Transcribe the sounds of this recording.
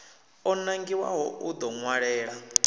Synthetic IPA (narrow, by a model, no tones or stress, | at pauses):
ɔnaŋɡiwa̰ɦɔud̪ɔŋwaɺɛːɺa